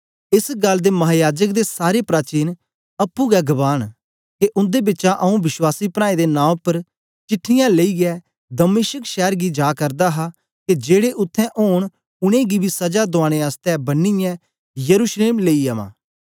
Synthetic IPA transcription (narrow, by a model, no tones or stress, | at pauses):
ɪsɡɐlːd̪eːmɐɦaːjaːd͡ʒəkd̪esaːɾepɾaːt͡ʃiːn | ɐpːũːɡɛɡəbaːn | keʔʊ̃nd̪eːbɪtːt͡ʃãʔɐũbɪswaːsiːpɾ̃ãːed̪enãːpəɾ | t͡ʃɪʈʰːɪjãːleiɡɪɛː | d̪əmeːʃəkʃɛːɾɡiːd͡ʒaːkɐɾd̪aːɦaː | ked͡ʒeːɽeʔʊt̪ʰːɛ̃ːʔoːɳ̃ | ʊɽ̃ẽːɡibiːsɐd͡ʒaːd̪ʊaːɽ̃eːaːst̪ɛbɐnːijɛ̃ː | jəɾuːsleːmleːiaʋã̰ː